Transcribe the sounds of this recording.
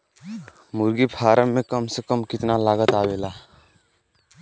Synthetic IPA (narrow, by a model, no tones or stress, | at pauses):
mʊɾɡipʰaːɾəmːẽkəmsekəmkɪt̪nalaːɡət̪aːweːlaː